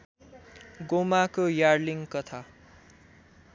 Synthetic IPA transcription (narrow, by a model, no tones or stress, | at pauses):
ɡomakojarliŋkʌt̪ʰa